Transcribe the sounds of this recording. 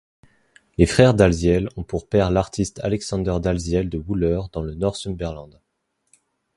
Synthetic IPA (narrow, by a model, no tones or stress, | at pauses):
lefχɛʁd̪alzjɛlɔ̃puʁpɛʁlaʁt̪ʰist̪ʰalɛksɑ̃d̪œʁd̪alzjɛld̪əwulœʁd̪ɑ̃lənɔʁsymbɛʁlɑ̃d̪